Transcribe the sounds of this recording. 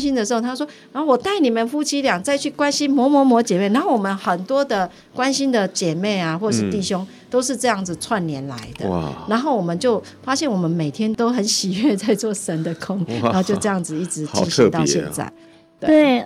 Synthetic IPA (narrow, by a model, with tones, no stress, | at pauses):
ɕi˦˥nd̪ə˨ʂɻ̩˧˥o˥˧t̪ʰa˥˩ʂwɔ˥na˨˦o˥˩wɔ˨˩t̪a˥˩ɪni˨˩mə˨nfu˥t͡ɕʰi˥ljɑ˨˩ŋt͡sa˥˧ɪt͡ɕʰy˥˩kwa˦nɕi˦nmwɔ˧˥mɔ˧˥mɔ˧˦˥t͡ɕjɛ˨˩me˥˩na˦nxo˥˩wɔ˨˩mə˨˦nxə˨˩nt̪wɔ˥d̪ə˨ | kwa˦nɕi˦˥nd̪ə˨t͡ɕjɛ˨˩me˥˩ɪa˨˩xwɔ˥˩ʈ͡ʂə˨ʂɻ̩˥˧t̪i˥˩ɕjo˥˦ŋ | t̪o˥ʊʂɻ̩˥˧ʈ͡ʂɤ˥˧jɑ˥˩ŋd͡z̩˩t͡sʰwa˥˨nljɛ˨˧˦nla̰˨˧˦ɪd̪ə̰˧na˧˦nxo˥˩ʊwɔ˨˩mə˦nt͡ɕjo˥˩ʊ | fa˥ɕjɛ˥˩nwɔ˨˩mə˨˦nme˨˩ɪt̪ʰjɛ˥nt̪o˥ʊxə˨˦nɕi˨˩ɥɛ˥˧t͡sa˥˧ɪt͡swɔ˥˩ʂə˦nd̪ə˨kʰo˦˥ŋ˨˧˦t͡ɕjo˥˧ʊɤ˥˧jɑ˥˩ŋd͡zɹ̩˨i˥˩ʈ͡ʂɻ̩˧˦t͡ɕi˥˧t̪ɑ˥˧ɕjɛ̰˧nt͡sa̰˥˩ɪ | t̪we˥˩e˥˩